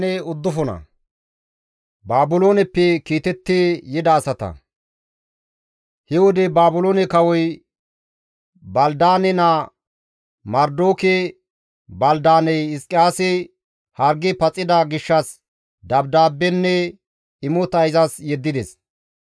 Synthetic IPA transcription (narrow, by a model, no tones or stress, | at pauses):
nɛʊd̪ːʊfɔnɐ̰ | baːbʊloːnɛpːɛkiːt̪ɛt̪ːejɪd̪ɐːsɐt̪ɐ̰ | hɛwɔd̪ɛbaːbʊloːnɛkɐwɔj | bɐld̪aːnɛnɐ | mɐɾd̪oːkɛ | bɐld̪aːnɛjɪskʼɪjaːsɪ | hɐɾɡɪpɐt͡sʼːɪd̪ɐɡɪʃːɐs | d̪ɐbd̪aːbːɛnːɛ | ɪmʊt̪ɐjzɐsjɛd̪ːɪd̪ɛs